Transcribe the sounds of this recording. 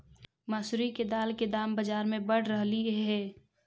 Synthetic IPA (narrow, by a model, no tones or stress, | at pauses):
məsɾiked̪aːlked̪aːmbəd͡ʒaːɾmẽbɐɽ̤ɾəɦliɦɛː